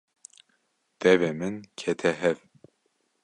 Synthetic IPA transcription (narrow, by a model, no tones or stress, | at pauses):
d̪̥ɛvemɨnkʰɛt̪ʰɛɦɛv